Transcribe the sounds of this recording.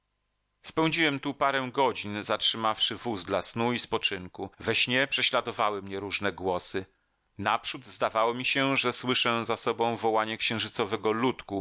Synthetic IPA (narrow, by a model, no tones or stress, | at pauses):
spɛw̃d͡ʑiwɛmt̪upaɾɛw̃ɡɔd͡ʑinzatʂɘmafʂɘvuzd̪lasnuispɔt͡ʂɘŋkuvɛɕɲɛpʂɛɕlad̪ɔvawɘmɲɛɾuʐnɛɡwɔsɘ | napʂud̪zd̪avawɔmʲiɕɛʐɛswɘʂɛzasɔbɔ̃w̃vɔwaɲɛkɕɛ̃w̃ʐɘt̪sɔvɛɡɔlut̪ku